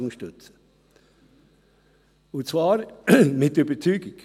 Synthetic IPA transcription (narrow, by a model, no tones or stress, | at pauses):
ʊŋʃtʉt͡sə | ʊnt͡svɑːɾmɪt̪ybət͡syːɡɪk